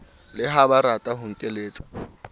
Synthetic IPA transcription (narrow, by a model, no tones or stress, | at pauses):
lɪɦabaɾatʼaɦʊŋ̩tʼeleːt͡sʼḁ